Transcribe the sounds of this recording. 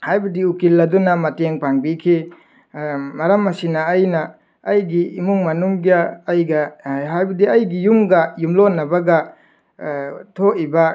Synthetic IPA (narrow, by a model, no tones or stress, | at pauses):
hajbɐdiukilːɐdunamɐteŋpaŋbikʰi | mɐɾɐmːasinaːjnaː | jɡiːmuŋmɐnuŋɡijaːjɡaɦajbɐdiɐjɡijumɡajumlonɐbaɡa | tʰoiba